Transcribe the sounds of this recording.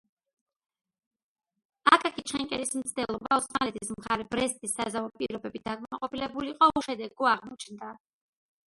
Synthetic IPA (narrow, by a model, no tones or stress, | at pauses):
akʼakʰit͡ʃʰɛŋkʼɛlismt̪sʰd̪ɛlˠɔbaɔsmalɛt̪ʼismʁaɾɛbɾɛst̪ʼisːazaɔpʼiɾɔbɛbid̪akʼmamaqʼɔpilɛbuliqʼɔʃɛd̪ɛɡɔaʁmɔt͡ʃʰnd̪a